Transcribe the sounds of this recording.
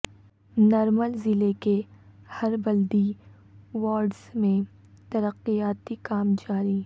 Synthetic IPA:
nɔːɾməlzɪleke | hɐɾbɐld̪i | ʋaːɾɖsmẽ | t̪ɐɾəqːijaːt̪ikaːmd͡ʒaːɾiː

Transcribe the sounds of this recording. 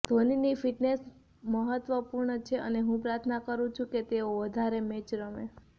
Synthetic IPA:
d̪̥ʱoninifiʈnes | məɦət̪ʋəpuɾɳət͡ʃʰeʔəneɦũpɾaɾt̪ʰnakəɾũt͡ʃʰũket̪eoʋəd̪ʱaɾemet͡ʃɾəme

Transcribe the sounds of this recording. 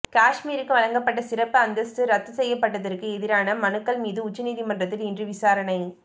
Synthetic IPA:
kaːʂmiːɾɯkːɯʋɐɻɐŋɡɐpːɐʈːɐsɪɾɐpːɯɐnd̪ɐstɯɾɐt̪ːɯsɛjːɐpːɐʈːɐðɐrkɯɛðɪɾaːnɐmɐnɯkːɐɭmiːðɯʊt͡ʃːɐniːðimɐndrɐt̪ːɪlɪndrɯʋɪsaːɾɐɳɐɪ

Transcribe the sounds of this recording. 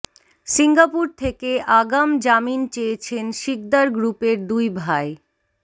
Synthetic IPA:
siŋɡapuɾt̪ʰekeʔaɡamd͡ʑamint͡ɕeet͡ɕʰenʃik̚d̪aɾɡɾupeɾd̪ujbʱae

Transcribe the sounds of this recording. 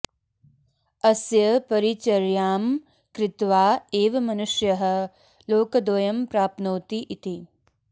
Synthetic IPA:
ɐsjɐpɐɾit͡ʃɐɾjaːm | kɾɪt̪ʋaːeːʋɐmɐnuʃjɐɦɐ̆ | loːkɐd̪ʋɐjɐmpɾaːp̪̚noːt̪iʔit̪i

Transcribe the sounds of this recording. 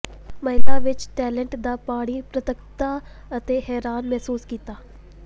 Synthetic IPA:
məɦɪlaːʋɪt͡ʃʈɛːləɳʈd̪aːpaːɽ̃iːpɾət̪əkt̪aː | ət̪eːɦɛːɾaːnmɛɦsuːskiːt̪aː

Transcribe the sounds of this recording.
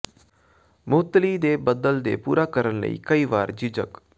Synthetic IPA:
mʊt̪liːd̪eːbəd̪əld̪ḛːpuːɾaːkəɾənlə̰ḭːkəiːʋaːɾd͡ʒɪd͡ʒə̰k

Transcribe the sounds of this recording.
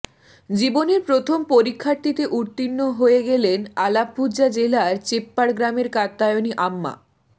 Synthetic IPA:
d͡ʑiboneɾpɾot̪ʰompoɾikʰːaɾt̪it̪eʔuɾt̪inːoɦoeɡelenalab̚bʱuʑad͡ʑelaɾt͡ɕepːaɽɡɾameɾkat̪ːajoniʔamːa̰

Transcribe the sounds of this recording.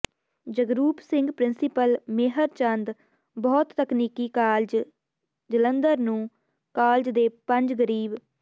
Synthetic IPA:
d͡ʒəɡɾuːpsɪ̃ŋɡpɾɪnsɪpəlmeɦəɾt͡ʃənd̪ | bɔːt̪ːəkniːkiːkaːld͡ʒ | d͡ʒələnd̪əɾnũː | kaːld͡ʒd̪eːpəɲd͡ʒɡəɾiːb

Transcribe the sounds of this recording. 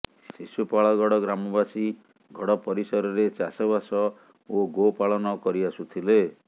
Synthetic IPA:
ssisupaɭɔɡɔɽɔɡɾamɔbasi | ɡʱɔɽɔpɔɾisɔɾɔɾet͡ʃasɔβasɔ | oɡopaɭɔnɔkɔɾiasut̪ʰile

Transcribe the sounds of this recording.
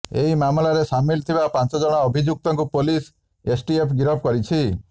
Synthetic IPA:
eɦimamlaɾesamilt̪ʰibapãnt͡ʃɔd͡ʒɔɽ̃aɔbʱid͡ʒuk̚t̪ɔŋkupolis | esʈiepʰɡiɾɔp̚kɔɾit͡ʃʰi

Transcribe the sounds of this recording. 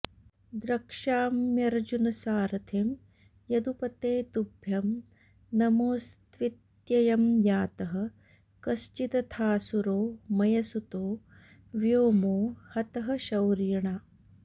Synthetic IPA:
d̪ɾɐkʂaːmjɐɾɐd͡ʒunɐsaːɾɐt̪ʰeːm | jɐd̪upɐt̪eːt̪ubʱjɐm | nɐmoːst̪ʋit̪ | jɐjɐmjaːt̪ɐɦɐ̆ | kɐst͡ʃit̪ɐt̪ʰaːsuɾoːmɐjɐsut̪oː | ʋjoːmoːhɐt̪ɐɦɐ̆ʃɐwɾjɐɳaː

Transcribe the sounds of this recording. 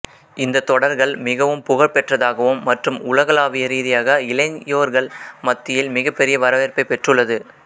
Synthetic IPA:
ɪnd̪ɐt̪ːɔɽɐɾɣɐɭmɪɣɐʋɯmpʊɣɐɭpɛʈrɐðaːɣɐʋɯmːɐʈrɯmʊlɐɣɐɭaːʋɪjɐɾiːðɪjaːɣɐɪlɐnjoːɾɣɐɭmɐt̪ːɪjɪlmɪɣɐpːɛɾɪjɐʋɐɾɐʋeːɾpɐɪpːɛʈrɯɭːɐðɯ

